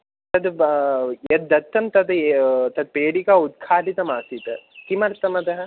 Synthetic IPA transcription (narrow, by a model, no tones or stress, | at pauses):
t̪ɐd̪ | jed̪ːɐt̪ːɐmt̪ɐd̪t̪ɐd̪̚peːɽikaːud̪̚kʰaːʈit̪ɐmaːsit̪ɐk̪imɐɾt̪ɐmɐt̪ɐɦɐ